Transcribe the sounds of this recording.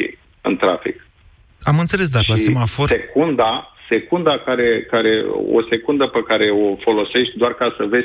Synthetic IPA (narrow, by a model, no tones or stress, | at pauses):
ḭ | ɨ̰nt̪ɾafḭk | amɨnt̪se̞les̬d̪akʃlaisemaforekund̪ase̞kund̪akaɾe̞kaɾe̞o̰se̞kund̪əpekaɾe̞o̞fo̞lo̞se̞ʃt̪̚ʲd̪oarkasəve